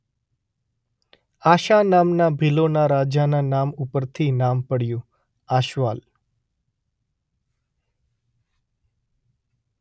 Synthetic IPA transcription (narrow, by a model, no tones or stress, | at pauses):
aʃanamnabʱilonaɾad͡ʒananamupəɾt̪ʰinampəɽjũ | aʃʋal